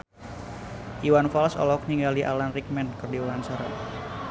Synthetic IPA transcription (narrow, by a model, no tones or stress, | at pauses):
ʔiwanfalsɔ̰lɔk̚niŋɡaliʔa̰lanrik̚mɛnkərdiwansaɾa̰